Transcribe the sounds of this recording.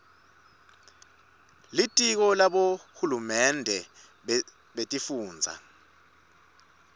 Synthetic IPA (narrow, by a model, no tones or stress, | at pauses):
litʼik̬ɔlaɓohulumɛndʱɛ | ɓetʼifuːnd͡zʱa̰